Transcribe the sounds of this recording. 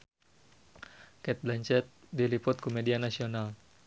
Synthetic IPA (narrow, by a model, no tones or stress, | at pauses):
kɛt̪̚blaɲt͡ʃɛt̪̚ | dilipʊt̪̚komedianasional